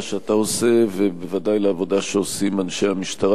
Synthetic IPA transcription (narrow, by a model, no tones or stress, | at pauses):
ʃeat̪ao̞se̞vebevad̪ajleavo̞d̪aʃeosimanʃejamiʃt̪aʁ